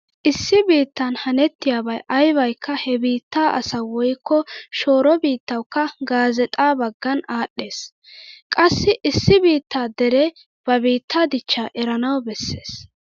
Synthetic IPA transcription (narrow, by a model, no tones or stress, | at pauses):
ʔɪsːɪbiːt̪ːɐnhɐnɛt̪ːɪjaːbɐjʔɐjβɐjkːɐhɛbiːt̪ːaːʔɐ̰sɐwɔjkːɔʃo̞ːɾɔbiːt̪ːɐwkːɐɡaːzɛt̪ʼaːbɐɡːɐnaːɗːe̞ːs | kʼɐsːɪʔɪsːɪbiːt̪ːaːd̪ɛɾɛ | b̥ɐbiːt̪ːaːd̪ɪt͡ʃːaːʔɛɾɐnɐwbɛsːe̞̰ːs